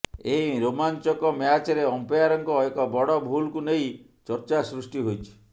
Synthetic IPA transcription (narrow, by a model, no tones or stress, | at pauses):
eɦiɾomant͡ʃɔkɔmjat͡ʃɔɾeɔmpɔjaɾɔŋkɔekɔbɔɽɔbʱulkunej | t͡ʃɔɾt͡ʃasɾusʈiɦojt͡ʃʰi̥